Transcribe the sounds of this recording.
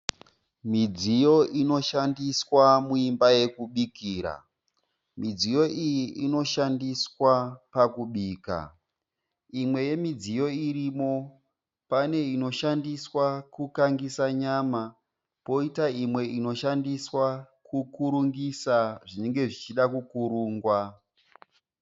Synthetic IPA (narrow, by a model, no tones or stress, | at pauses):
mid͡zijo̞ʔino̞ʃandiswamuimbaje̞kuɓikiːɾa̰ | mid͡zijo̞ʔijiʔino̞ʃandiswapakuɓiːka̰ | imwe̞je̞mid͡zijo̞irimo̞ | pane̞ino̞ʃandiswakukaŋɡisaɲama | po̞itaimwe̞ino̞ʃandiswa | kukuɾuŋɡisaʐine̞ŋɡe̞ʐit͡ʃiɗakukuɾuːŋɡwa